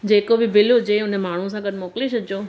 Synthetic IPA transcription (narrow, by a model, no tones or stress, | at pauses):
d͡ʑeːkobɪbɪlɦʊd͡ʑeʊnəmaːɳ̤us̬ãɡɐd̪ʱɪmoːkleɕʰɐd̪ʱd͡ʑoː